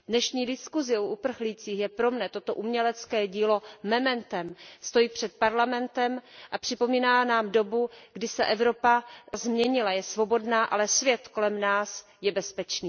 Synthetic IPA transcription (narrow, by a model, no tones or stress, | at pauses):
dnɛʃɲiːdɪskuzɪoʔupr̩xliːt͡siːxjɛpɾo̞mnɛt̪o̞t̪o̞ʔumɲɛlɛt͡skɛːɟiːlo̞mɛmɛnt̪ɛmst̪o̞jiːpr̝̥ɛt̪̚paɾlamɛnt̪ɛmʔapr̥ɪpo̞miːnaːnaːmdo̞buɡdɪsɛʔɛvɾo̞pazmɲɛɲɪlajɛsvo̞bo̞dnaːʔa̰lɛsvjɛt̪ko̞lɛmnaːsjɛbɛspɛt͡ʃniː